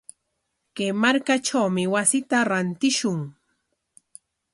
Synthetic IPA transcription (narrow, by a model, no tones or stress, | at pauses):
kemaɾkaʈ͡ʂawmɪwasɪt̪aɾant̪ɪʃʊŋ